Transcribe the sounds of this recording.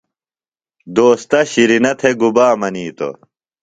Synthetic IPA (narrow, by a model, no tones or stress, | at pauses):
d̪oːst̪ɐɕiɾinɐt̪ʰeɡubaːmɐniːt̪o̰